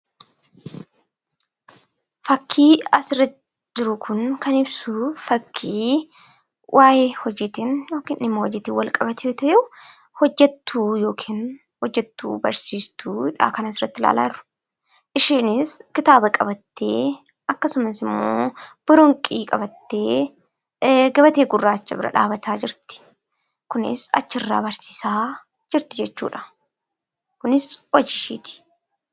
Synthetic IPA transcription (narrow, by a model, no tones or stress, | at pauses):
fɐkʰːiːɐsɪrɐ | d͡ʒɪɾʊkʰʊnkɐnɪbsufɐkʰːiː | wʔaːjeːhɔd͡ʒiːt̪injo̞ːkiːnɪnɪmːohɔd͡ʒiːt̪iːwɐlkʼɐbɐt̪ʰɪot̪ɐjɛʊ | hɔd͡ʒːɛt̪ːuːjo̞ːkʰiːn | hɔd͡ʒːɛt̪ːṵːbɐ̰ɾsiːst̪ʰuːhɪᶑa̰ːkɐnɐsɪrːɐt̪ːɪla̰ːla̰ːʊ̥ | ʔɪʃiːnɪskɪt̪aːbɐkʼɐbɐt̪ːeː | ɐkːɐsʊmɐsɪmːo̰ːb̥ɪɾʊŋkʼiːkʼɐbɐt̪ːeː | ɡɐβɐt̪eːɡʊrːaːt͡ʃːɐ̰bɪɾɐ̰ᶑa̰ːbɐt̪ʰaːd͡ʒɪɾt̪ɪ̥ | kʊnɪ̰sɐ̰t͡ʃːɪrːa̰ːbɐɾsi̥ːsaː | d͡ʒɪɾt̪ɪd͡ʒɛt͡ʃːṵːᶑɐ̥ | kʊnɪswɐd͡ʒɪʃḭːt̪ɪ̥